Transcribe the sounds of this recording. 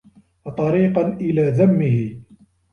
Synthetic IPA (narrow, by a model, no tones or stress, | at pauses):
t̪ˤɑɾiːqɑnʔɪlaːðamːɪhɪ